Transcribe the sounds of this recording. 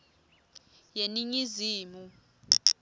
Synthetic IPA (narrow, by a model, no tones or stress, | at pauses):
jeniɲiziːmu